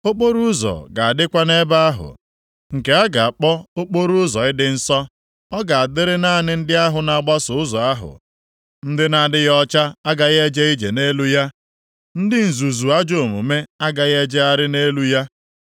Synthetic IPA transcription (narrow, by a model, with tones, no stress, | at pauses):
o˦k͡po˦ɾu˦zɔ̰˨ɡa˨a˨dɪ˦kʷa˦ne˦ba˦a˦ɦʊ̰˨ | ŋ̩˨ke˨a˦ɡa˨a˨k͡pɔ˦o˦k͡po˦ɾu˦zɔ˨ɪ˦dɪ˦n̩˦sɔ˦ | ɔ˦ɡa˨a˨dɪ˦ɾɪ˦na˦˨nɪ˦n̩˦dɪ˦a˦ɦʊ˨na˨ɡ͡ba˦sʊ˨ʊ˦zɔ˨a˦ɦʊ̰˨ | n̩˦dɪ˦na˨dɪ˦ɣɔ˦t͡ʃa˦a˦ɡa˨ɣe˦d͡ʒe˦i˦d͡ʒḛ˨ne˦lu˦ja˦ | n̩˦dɪ˦n̩˨zu˨zu˨a˦d͡ʒo˨mṵ˨me˦a˦ɡa˨ɣe˦d͡ʒe˦a˦ɾɪ˦ne˦lu˦ja˦